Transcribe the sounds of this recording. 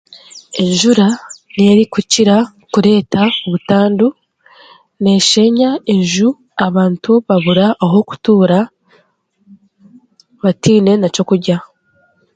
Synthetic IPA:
e̞ɲʒuɾaneɾikuciɾa | kuɾe̞ːtaoβutaːndu | ne̞ːʃe̞ɲae̞ɲʒu | aβaːntuβaβuɾaʔːɦo̞ku̥tuːɾa | βatiːne̞naco̞kuɾɟa

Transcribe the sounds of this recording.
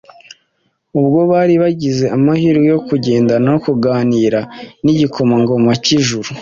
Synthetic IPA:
ubɡo̞βaːɾiβaɟize̞amahiːɾɡejo̞kuɟe̞ːndanajokuɡaːniːɾaniɟiko̞maŋɡo̞maciʒuɾu

